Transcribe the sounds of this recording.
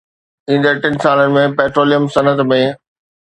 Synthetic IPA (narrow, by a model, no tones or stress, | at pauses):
ĩːnd̪əʈɪnsaːlənɪ̆mẽpɛːʈɾoːlijəmsɐnət̪mẽ